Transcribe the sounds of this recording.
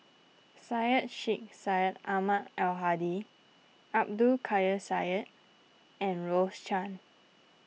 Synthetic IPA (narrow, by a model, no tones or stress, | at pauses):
sajət̚ʃik̚sajət̚amatɛlɦadi | ap̚dukʰajəsajət̚ | ɛ̃nɹost͡ʃãn